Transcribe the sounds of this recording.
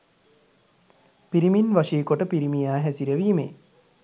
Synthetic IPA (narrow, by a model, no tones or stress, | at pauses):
piɾiminʋaʃiːkoʈəpiɾimijaːɦæsiɾəʋiːmḛ